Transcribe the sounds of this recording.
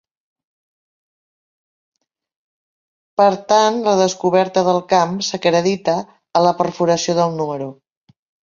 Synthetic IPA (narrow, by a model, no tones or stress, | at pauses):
pəɾt̪anləðəskuβɛɾt̪əðəlˠkamsəkɾəðit̪əː | ləpəɾfuɾəsioðəlˠnuməɾu